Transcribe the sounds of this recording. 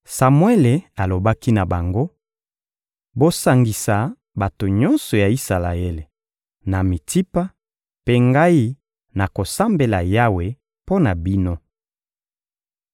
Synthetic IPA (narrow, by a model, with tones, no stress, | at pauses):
sa˨mwe˦le˨a˨lo˨ba˦ki˦na˨ba˨ŋɡo˦ | bo˦sa˨ŋɡi˨sa˨ | ba˨to˨ɲɔ˦nsɔ˨ja˨i˦sa˨la̰˨e˦le˨ | na˨mi˨ti˦pa˦ | pe˦ŋɡa˦i˦ | na˨ko˨sa˦mbe˨la˨ja˦we˨ | po˦na˨bi˦no˦